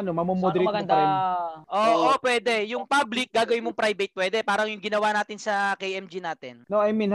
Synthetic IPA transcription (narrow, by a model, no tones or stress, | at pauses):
ɐnomɐmomod̪ɛɾɡɐd̪ɐɾɪnʔoːʔopwɛːd̪ɛjʊŋpablɪk̚ɡaːɡɐwɪnmoŋpɾajbɐt̪̚pwɛːd̪ɛpaːɾɐŋjʊŋɡɪnɐwaːnaːt̪ɪnsɐkejɛmd͡ʒinaːt̪ɪnnoʔɐjmin